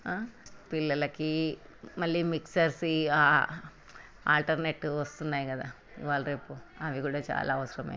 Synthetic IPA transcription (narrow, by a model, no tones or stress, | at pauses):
aːpilːɐlɐki | mɐlːimiksɐɾsiaː | a̰ːlʈɐɾneːʈːʋɐst̪unːaːjkɐd̪aː | ḭʋaːlɾeːpuɐʋikuːɽɐt͡ʃa̰ːlʔaːɐʋɐsɐɾɐmḛː